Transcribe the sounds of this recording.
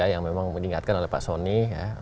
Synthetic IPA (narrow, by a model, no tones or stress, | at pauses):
ajaŋmemaŋməniŋa̰t̪̚kanolɛhpa̰ʔsonija̰